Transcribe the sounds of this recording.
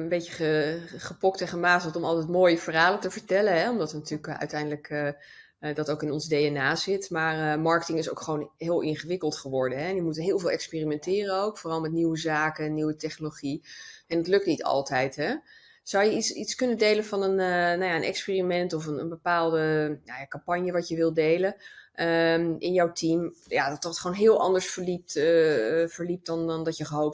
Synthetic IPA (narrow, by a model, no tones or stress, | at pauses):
əmbejcəχəχəpɔk̚teχənmaːtətɔmɑlˠtɛjtmoːjəvərɦaːləntəvəɹtɛlənɦɛɔmdɑtənatyːləkœ̰ɥtɛjndələk | dɑtowkɪnɔnzdejɛnaːzɪtmaːɹmɑɹkətɪŋɪso̰wkχəʋownɦɪːlˠʔɪnχəʋɪkəlˠtχəʋɔɹdənɦɛnjəmutəɦɪːlˠvɪːlˠɛkspɪːrimɛntɪːrənowkfoːrɑlˠmɛt̬̚niwəzaːkəniwətɛχnoloχiɛndɑtlɵk̚tnitɑ̰lˠtɛjtɦɛ | z̥ɑwjəitsitskɵnədejlənvɑnənənajaənʔɛ̰kspɪːrimɛntɔfənə̰nbəpaːlˠdənajakɑmpɑɲjəʋɑcjəʋɪlˠdejlənʔəɪnjɔwtimjadɑtɑtχʋownɦɪːlˠʔɑ̰ndəɹsfəɹlip̚t | vəɹlip̚tdɑnndɑjəχəɦowp̚